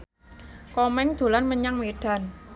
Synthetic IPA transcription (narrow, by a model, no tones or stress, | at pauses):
kɔmɛŋd̪̥o̤lanməɲaŋweɖ̥ä̤n